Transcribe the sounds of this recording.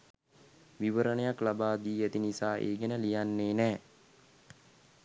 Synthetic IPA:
ʋiʋəɾənəjaklabaːd̪iːet̪inisaːʔḛːɡenəlijanːeːnɛː

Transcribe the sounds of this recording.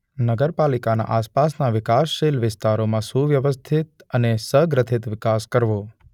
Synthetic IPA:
nəɡəɾpalikana̰ʔaspasnaʋɪkasːelʋɪst̪aɾomãsuʋjəʋəst̪ʰit̪̚ənesəɡɾət̪ʰɪt̪ʋɪkaskəɾʋo

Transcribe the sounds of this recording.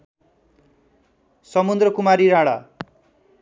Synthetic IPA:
sʌmund̪ɾʌkumaɾiɾaɽa̰

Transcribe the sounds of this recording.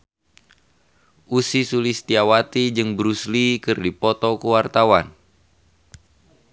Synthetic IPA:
ʔusisulist̪iawat̪id͡ʒɨŋbɾuslikɨrdipɔt̪ɔkəwart̪awan

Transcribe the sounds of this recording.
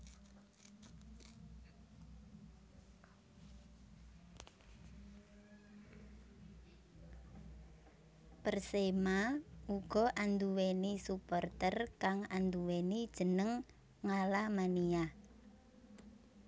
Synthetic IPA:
pərsemauɡ̥ɔ̤ʔand̪uwenisupɔrt̪ərkaŋand̪uwenid̥ʒ̥ənəŋː | alamania

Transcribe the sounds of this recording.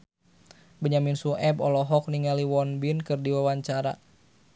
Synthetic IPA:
bəɲaminsuʔɛbɔlɔɦɔk̚niŋaliwɔnbinkɨrdiwawaɲt͡ʃaɾa̰

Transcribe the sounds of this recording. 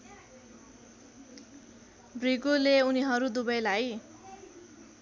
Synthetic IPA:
briɡuleuniɦʌɾud̪ubʌjlaj

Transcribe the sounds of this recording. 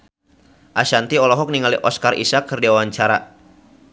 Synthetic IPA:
ʔaʃant̪iɔlɔɦɔk̚niŋaliʔɔskarʔḭsakːɨrdiawaɲt͡ʃaɾa

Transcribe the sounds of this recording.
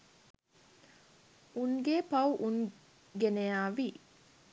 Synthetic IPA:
uŋɡeːpɐwʔun | ɡenejaːʋi

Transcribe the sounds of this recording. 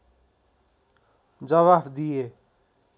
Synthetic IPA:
d͡zʌβabd̪ije

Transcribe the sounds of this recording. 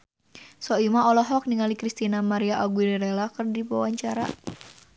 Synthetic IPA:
sɔimaɔlɔɦɔk̚niŋalikɾist̪inamaɾiaʔaɡudɛɾɛlakərdipawaɲt͡ʃaɾa̰

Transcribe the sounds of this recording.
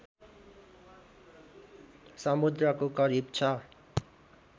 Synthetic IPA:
sʌmud̪rʌkokʌɾib̚t͡sʰʌ

